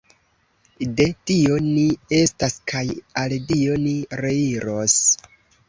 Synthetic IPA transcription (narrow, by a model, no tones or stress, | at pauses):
de̞tio̞nie̞staskʰajaldio̞niɾe̞iɾos